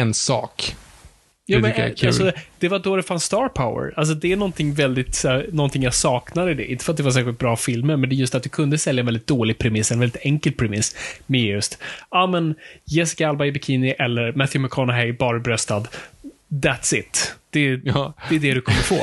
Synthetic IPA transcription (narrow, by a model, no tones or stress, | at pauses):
ɛnsɑ̰ːk | jɑːmɛ̰kʰassɔd̪̥ɛvad̪od̪ɛfansːt̪ɑːɾpʰaʊə̰ɾals̬ɔd̪ɛæɳɔnt̪ʰɪŋːvɛld̪ɪt̪sænɔnt̪ʰɪŋjasɑːknad̪əɪd̪ɛ̰ʔɪ̃nt̪əfœɾat̪̚d̪ɛvaɾs̬æːxɧɪlt̪̚bɾɑːfɪlməɾmɛnd̪ɛjɵst̪at̪̚d̪ɵkʰɵnd̪əsɛljaɛnvɛldɪt̪̚d̪oːlɪɡ̚pʰɾɛmɪsːɛnvɛlɪt̪ʰɛŋkəlpʰɾɛmɪsːmɪjɵst̪ɑːmɛnjɛsɪ̥kaalbaɪbɪkʰiːnɪʔɛlːəɾmæθjʊmɛkʰɔnaɦɛɪbɑːɾabɾœst̪ad̪d̪æt̪sɪ̰t̪d̪̥ɛd̪̥ɛːd̪ɛd̪ɵkʰɔmːəfo̰ː